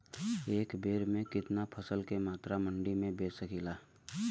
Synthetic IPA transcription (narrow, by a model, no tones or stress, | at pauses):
eːkbeːɾmẽkɪt̪napʰəsəlkemaːt̪ɾamə̃ɳɖimẽbeːsəkilaː